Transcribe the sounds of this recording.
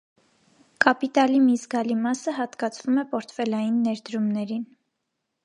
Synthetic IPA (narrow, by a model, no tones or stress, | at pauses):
kɑpit̪ɑlimizɡɑlimɑsəɦɑt̪kɑt͡sʰvumɛpɔɾt̪ʰfɛlɑjinːɛɾd̪əɾumnɛɾin